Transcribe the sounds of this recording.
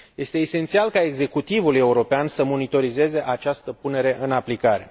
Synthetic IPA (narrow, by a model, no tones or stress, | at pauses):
je̞st̪e̞ːse̞nt̪sialkae̞ɡze̞kut̪ivulje̞uɾo̞peansəmo̞nit̪o̞ɾize̞ze̞ʔat͡ʃast̪əpune̞ɾe̞ʔɨnaplikaɾe̞